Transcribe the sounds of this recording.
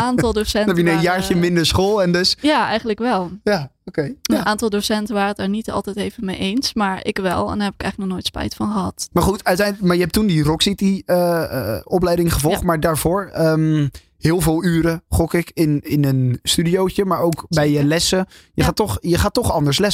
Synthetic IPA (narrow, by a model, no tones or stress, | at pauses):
aːntɔlˠdosɛnɛpjənɛənjaːɹt͡ʃəmɪndəɹsχoːlˠɛndøsjaːɛjχəntləkʋɛlˠjaokejnʔaːntɑlˠdosɛntəʋaːrəətdaːɹnitɑ̰lˠtɛjteːvənmejʔejnsmaːɹɪ̰kʋɛ̰lˠɛ̰ndhɛpɪ̥kɛ̰jxlək̚nɔχnoːjtspɛ̰jtfɔnχəɦɑtmaːɹχutœɥtɛjnmaːɹjəɦɛp̚tundirɔksitiə̰ɔplɛjdɪŋχəvɔlˠχtmaːɹdaːɹv̥ʊːɹəm | hɪːlˠvɪːlˠyːɾəχɔkɪkɪnɪnənstydiowt͡ʃəmaːɹowkbɛjjəlɛsəjəxaːtɔχjəχaːtːɔχɑndəɹslɛs